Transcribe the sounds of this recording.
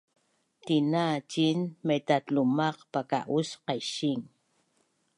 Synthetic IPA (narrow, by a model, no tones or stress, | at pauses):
t̪inat͡ʃinmet̪at̪lumaqpaka̰ʔusqajʃiŋ